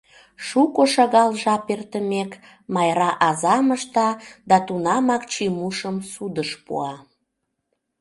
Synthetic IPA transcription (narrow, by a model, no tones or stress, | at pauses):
ʃukoʃɑɣɑlʒɑpert̪əmek | mɑjɾɑʔɑzɑməʃt̪ɑd̪ɑt̪unɑmɑkt͡ɕimuʃəmsud̪əʃpṵɑ